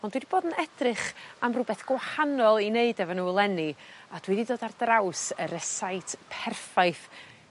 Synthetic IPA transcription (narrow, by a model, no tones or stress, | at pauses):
ɔndwidib̥oːdənɛd̥rɨχamrʊbɛθɡ̥wahanɔlˠineɨdɛvɔnuːlˠɛniad̥wididoːdardrawsəɾəsajtʰpʰɛrfaɨθ